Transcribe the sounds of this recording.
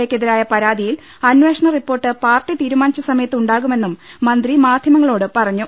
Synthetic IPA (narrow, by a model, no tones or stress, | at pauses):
eːkːeðiɾaːjɐpɐɾaːd̪ʱijil | ɐnʋeːʂɐɳɐripːo̞ːrʈːɨpaːrʈːit̪iːɾumaːnit͡ɕːɐsɐmɐjɐt̪ːɨuɳɖaːɣume̞nːumːɐnd̪rimaːd̪ʱjɐmɐŋːɐɭo̞ːɽɨpɐrɐɲːu